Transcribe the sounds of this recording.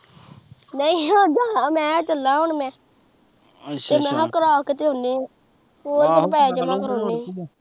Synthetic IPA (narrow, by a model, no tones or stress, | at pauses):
nəĩːãːd͡ʒamɛ̃ːt͡ʃəlːaːɦoɳmɛ̃ː | t̪eːmɛ̃ːɦakəɾaːkət̪eːɦʊ̃nd̪ẽː | koːlɪɾpɛːd͡ʒəmãːkəɾoːnẽː